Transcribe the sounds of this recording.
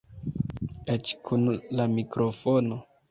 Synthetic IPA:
et͡ʃkʰunlamikɾo̞fono

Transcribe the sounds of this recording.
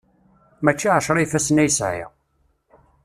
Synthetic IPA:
mæt͡ʃːiʕəʃɾˤifæsnæjsʕɪ̰ʁ

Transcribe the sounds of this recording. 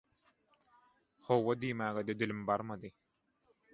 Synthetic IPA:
χɔwːɐd̪iːmaːɡɛd̪ɛd̪ilimbaɾmad̪i

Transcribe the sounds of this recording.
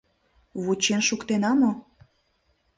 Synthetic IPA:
βut͡ɕenʃukt̪enɑmo

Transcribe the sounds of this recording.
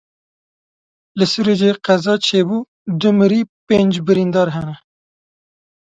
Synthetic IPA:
lɨsuɾed͡ʒeːqɛzɑːt͡ʃʰeːbuː | d̪ʊmɨɾiːpeːnd͡ʒbɨɾind̪ɑːɾɦɛnɛ

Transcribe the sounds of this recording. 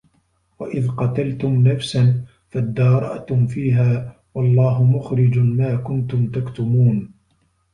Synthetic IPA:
waʔɪðqɑt̪alt̪ʊmnafsan | fad̪ːɑːɾˤɑ̰ʔt̪ʊmfiːɦaː | wɑlˤːɑːɦʊmʊxɾɪd͡ʒmaːkʊnt̪ʊmt̪akt̪ʊmuːn

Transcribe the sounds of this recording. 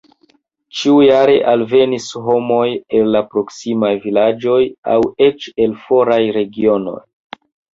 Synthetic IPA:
t͡ʃiujaɾe̞ʔalve̞nisɦo̞mo̞je̞lːapɾo̞ksimajvilad͡ʒo̞ja̰we̞t͡ʃe̞lfo̞ɾajɾe̞ɡio̞no̞̰j

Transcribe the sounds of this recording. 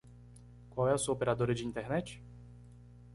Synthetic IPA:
kwawɛʊsuɐopeɾad̪oɾɐd͡ʒɪĩnt̪eɾnɛt͡ʃɪ̥

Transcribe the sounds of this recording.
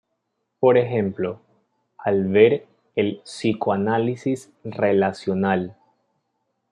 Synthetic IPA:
po̞ɾexẽmplo̞ | alβeɾ | elsikoanalisis | re̞lasjo̞nal

